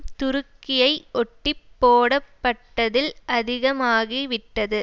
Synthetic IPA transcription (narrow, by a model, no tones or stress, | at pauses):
t̪ʊɾɯkːɪjɐɪʔɔʈːɪpːoːɽɐpːɐʈːɐðɪlʔɐðɪɣɐmaːɣiʋɪʈːɐðɯ